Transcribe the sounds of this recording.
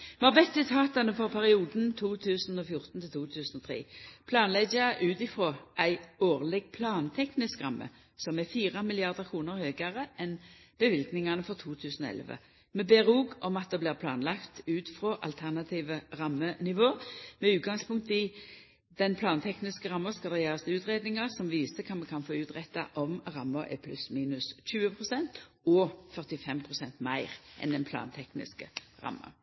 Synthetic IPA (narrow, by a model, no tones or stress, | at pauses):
mɑʁbɛt̪sɪt̪ʰɑːt̪ɑnəfɔʁpʰæʁɪuːd̪n̩t̪ʰuːt̪ʰʉːsn̩ɔfjʊʁt̪n̩t̪ʰɪlt̪ʰuːt̪ʰʉːsən̩ɔt̪ʰʁḛːpʰlɑːnlɛɡɑʔʉːt̪ɪfʁoːʔæɪoːʁlɛɡpʰlɑːnt̪ʰɛknɪskʁɑmːə̰ | sɔmɛfiːʁɑmɪlɪɑʁd̪əʁkʰʁuːnəʁhøːɡɑʁəʔɛnb̥əʋɪlɡnɪŋɑnəfɔʁt̪ʰuːt̪ʰʉːsn̩ɔ̰ɛ̰lʋə̰ | mɛbeːʁuːɡɔmɑt̪̚d̪ɛbliːʁpʰlɑ̰ːnlɑkt̪ʉːt̪fɾoːʔɑ̰lt̪ʰæʁnɑt̪ʰiːʋəʁɑmːənɪʋoːmɛʉːt̪̚ɡɑŋspʊŋkt̪əɪ | d̪̥ɛnpʰlɑːnt̪ʰɛknɪskəɾɑmːəskɑld̪ɛjæːʁɑst̪ʉːt̪ʁeːd̪nɪŋɑʁsɔmʋiːsəkʰɑmɛkʰɑnfoːʉːt̪ʁɛt̪ːɑ̰ʔɔmʁɑmːəʔɛ̰pʰlʉsmiːnʉsɕʉːəpʰʁʊsɛnt̪ | ɔfœʁt̪ɪfɛmpʰʁʊsɛnt̪mæɪʁʔɛ̰nd̪ɛnpʰlɑ̰ːnt̪ʰɛknɪ̰skəʁɑ̰mːə̰